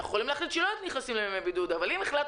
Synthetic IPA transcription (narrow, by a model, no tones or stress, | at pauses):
χolimlaːχlit̪ʃelojt̪niχnasimlaemebid̪ud̪avalimeχlat̪